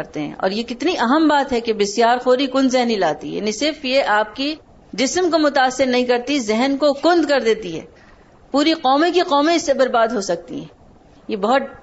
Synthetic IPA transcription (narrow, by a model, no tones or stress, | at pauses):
ɐɾt̪eɦɛ̰̃ʔɔ̰ːɾjekɪt̪niʔɐɦəmbaːt̪ɦɛkebɪsjaːɾxoːɾikʊ̃nd̪zɛɦnilaːt̪ḭɦɛ̰nĩsɪɾfjeʔaːp̚ki | d͡ʒɪsmkomʊt̪aːsːɪɾnɐɦĩkɐɾt̪izɛɦnkokʊ̃nd̪kɐɾd̪eːt̪iɦɛ̰ː | puːɾiqɔːmẽkiqɔːmẽɪsːebɐɾbaːd̪ɦosɐk̚t̪ḭɦɛ̰̃ː | jebɐɦʊt̪̚